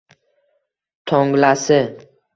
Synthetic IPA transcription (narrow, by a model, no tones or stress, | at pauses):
t̪ʰoŋɡlasɪ